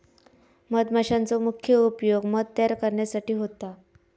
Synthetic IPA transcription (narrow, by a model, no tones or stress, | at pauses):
məd̪maɕant͡somukʰjəupjoɡməd̪̚t̪əjaɾkəɾɳjasaʈiːɦot̪a